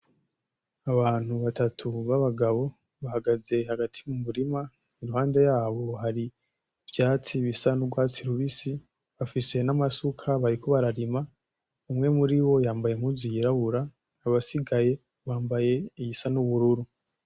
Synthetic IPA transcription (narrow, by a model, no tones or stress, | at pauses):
aβaːn̥huβatatʰuβaβaɡaβo̞ | βahaɡaze̞haɡatʰi̥mumuɾima | iɾuhaːndejaːβo̞ɦaɾi | vjaːt͡siβisanubɡwaːt͡siɾuβisi | βafise̞namasukʰaβaɾikʰo̞βaɾaɾima | umŋe̞muɾiwo̞jaːmbaje̞m̥huziiɾaβuɾaː | βasiɡaje̞ | βaːmbaje̞ijisanuβuɾuɾu